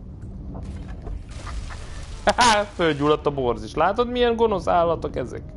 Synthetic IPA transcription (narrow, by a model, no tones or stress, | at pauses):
hafølɟuːlɒt̪ːɒbo̞rziʃlaːt̪ot̪mijɛŋɡo̞no̞saːlːɒt̪okɛzɛ̰k